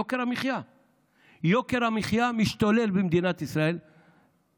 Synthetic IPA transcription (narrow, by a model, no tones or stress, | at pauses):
okeʁamiχja | joke̞ʁamiχjamiʃt̪ole̞lbemd̪inat̪isʁae̞l